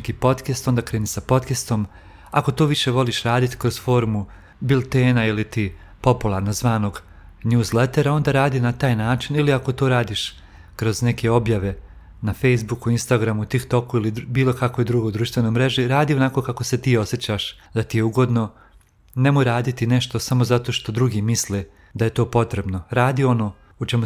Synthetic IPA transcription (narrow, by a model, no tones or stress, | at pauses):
kiːpo̞t̪kest̪o̞nd̪akɾeːnisapo̞t̪kest̪o̞m | ako̞t̪oːʋiʃe̞ʋo̞liʃɾaːd̪it̪i̥kɾo̞zfo̞ːɾmu | bilˠt̪eːnailit̪iː | po̞pulˠaɾnozʋaːno̞ɡ | nuːzlet̪e̞ɾao̞nd̪aːɾaːd̪inat̪aːjnaːt͡ʃiniliako̞t̪oːɾaːd̪iʃ | kɾo̞zne̞ke̞o̞bjaʋe̞ | nafejs̬bukuinst̪aɡɾamut̪ikt̪o̞kuilibiːlˠo̞kakʋo̞jd̪ɾuɡojd̪ɾuːʃt̪ʋe̞no̞jmɾe̞ʒiɾaːd̪io̞naːko̞ːkako̞se̞t̪iːo̞sjet͡ɕaʃ | d̪at̪ije̞uɡo̞d̪no̞ | ne̞mojɾaːd̪it̪ine̞ʃt̪o̞samo̞zat̪o̞ːʃt̪o̞d̪ɾuɡiːmisle | d̪aje̞t̪o̞ːpo̞t̪ɾe̞bno̞ɾaːd̪io̞no̞ː | ut͡ʃe̞mu